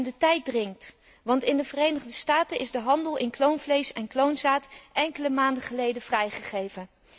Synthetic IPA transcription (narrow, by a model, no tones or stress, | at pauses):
ndətɛjt̚drɪŋt | ʋɑntɪndəvərejnəχdəstaːtənʔɪzdəɦɑndəlˠʔɪnklownvlejsɛnklownzaːtʔɛŋkələmaːndəχəlejdəv̥rɛjχəχejvən